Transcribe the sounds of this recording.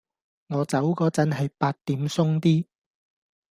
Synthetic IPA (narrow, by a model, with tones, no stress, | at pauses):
ŋɔː˨˧t͡sɐ˨˥wkɔː˨˧t͡sɐ˨˥nɦɐ˨jpaː˧t̚t̪iː˨˥msʊ˥ŋt̪iː˥